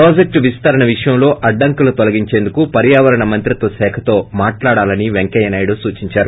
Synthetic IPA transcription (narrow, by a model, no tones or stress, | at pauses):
pɾoːd͡ʒek̚ʈʋist̪ɐɾɐɳɐʋiʂɐjɐmlo̞ːʔɐɖːɐŋkulut̪olɐɡiɲt͡ʃe̞ːnd̪ukupɐɾjaːʋɐɾɐɳɐmɐnt̪ɾit̪osɛːkʰɐt̪o̞ːmaːʈlaːɽaːlɐniʋeŋkɛjɐnaːjɽuːsuːt͡ʃiɲt͡ʃaːɾu